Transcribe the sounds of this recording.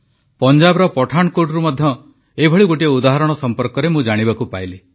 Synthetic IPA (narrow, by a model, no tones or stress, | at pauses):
pɔnd͡ʒabɔɾɔpɔʈʰaɳ̃ɔkoɖɔɾumɔd̪ʱjɔ | ebʱɔɭiɡoʈieud̪aɦaɾɔɽ̃ɔsɔmpɔɾkɔɾemũd͡ʒaɽ̃ibakupajle